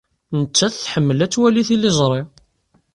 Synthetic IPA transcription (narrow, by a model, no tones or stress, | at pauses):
nət͡ʃːæθθħəmːəlæt͡sːwæliθilːizˤɾˤe